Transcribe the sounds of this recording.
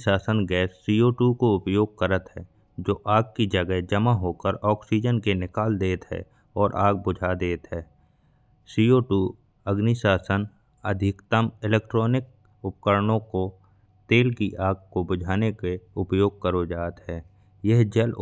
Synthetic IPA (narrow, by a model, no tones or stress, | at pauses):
saːsənɡɛːsːiːoːʈukoʊpjoːɡ̚kəɾət̪ɦɛː | d͡ʒoːʔaːɡ̚kid͡ʒəɡəɦd͡ʒəmaɦoːkəɾɔːksiːd͡ʒənkenɪkaːld̪eːt̪ɦɛ̰ | ɔːɾʔaːɡ̚bʊd͡ʒʱad̪eːt̪ɦɛː | siːoːʈuː | əɡnisaːsən | əd̪ʱɪkt̪əmɪlɛːkʈɾɔːnɪk̚ | ʊpkəɾnõko | t̪eːlkiʔaːɡ̚kobʊd͡ʒʱaːnekeʊpjoːɡ̚kəɾod͡ʒaːt̪ɦɛː | jəɦd͡ʒəl